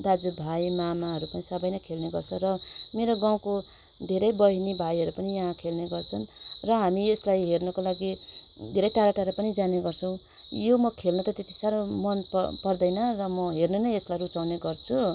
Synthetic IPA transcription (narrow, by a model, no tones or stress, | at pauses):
d̪ad͡zubʱajmamaɦʌɾupʌnisʌbʌjnʌkʰelneɡʌrt͡sʰʌrʌmeɾoɡaw̃ko | d̪ʱeɾʌjbʌɦinibʱajɦʌɾupʌnijaɦãkʰelneɡʌrt͡sʰʌnrʌɦamieslajɦernʌkolaɡid̪ʱeɾʌjʈaɾaʈaɾʌpʌnid͡zaneɡʌrt͡sʰʌw̃ | jomʌkʰelnʌt̪ʌt̪et̪i̥saɾomʌnppʌrd̪ʌjnʌrʌmʌɦernenʌjeslajrut͡sawneɡʌrt͡sʰu